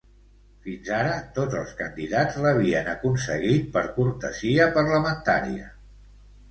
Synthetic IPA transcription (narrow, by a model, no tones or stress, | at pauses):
finzaɾət̪od͡zəlˠskənd̪iðad͡zləβ̞iənəkunsəɣit̪̚pəɾpuɾt̪əziəpəɾləmənt̪aɾḭə̰